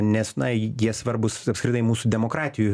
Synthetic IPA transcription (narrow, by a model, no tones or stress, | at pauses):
nʲɛsnɐjiɛsʋɐɾbʊsɐpskɾʲɪt̪ɐɪmuːsud̪ʲɛmoːkɾɑːt̪ʲɪju